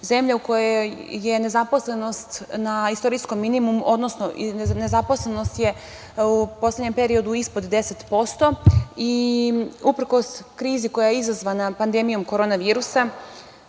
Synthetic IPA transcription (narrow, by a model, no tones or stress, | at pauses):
ze̞mʎauko̞jeje̞ne̞zapo̞sle̞no̞st̪naist̪o̞ɾisko̞mːinimumo̞d̪no̞sno̞nezapo̞slˠeno̞st̪je̞ | upo̞sleɲe̞mpe̞ɾio̞d̪uispo̞d̪d̪e̞set̪po̞st̪o̞i | upr̩ko̞skɾiːziko̞jajeizazʋanapand̪e̞mijo̞mkoɾo̞ːnaʋiːɾusa